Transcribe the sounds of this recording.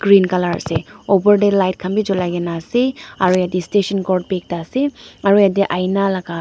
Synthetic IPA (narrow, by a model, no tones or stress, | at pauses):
ɡ̥ɾinkalaɹa̰sɛobəɹdelajt̚kʰambid͡ʒɔlajɡɛnasiaɹujadistesɔnkɔɹd̚bek̚taseaɹujadiʔajnalaɡa